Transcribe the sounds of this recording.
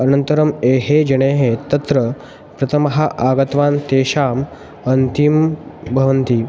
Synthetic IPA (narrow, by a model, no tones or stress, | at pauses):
ənənt̪əɾəmeɦed͡ʑɐɽ̃eːɦet̪ɐt̪ɾə | pɾɐt̪ʰəmɦaʔaɡɐt̪ʋaːnt̪eːɕaːm | ɐnt̪imbʱɐʋənt̪i